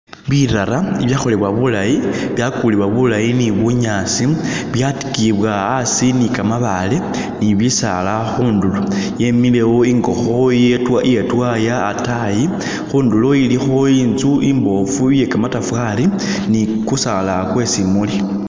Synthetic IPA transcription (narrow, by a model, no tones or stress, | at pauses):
βiɾaɾaiβjaːxo̞leβwaβulajiβjakuliβwaβulajiniβuɲasi | βjati̥kiβwaːsinikamaβale̞ | niβisa̰laxuːnduloje̞mile̞wo̞iŋɡo̞xo̞jetwaʔjetwajaːtaji | xuːndulo̞ilixo̞inzuʔimbo̞fuje̞kamatafwaɾi | nikusalakwe̞simuli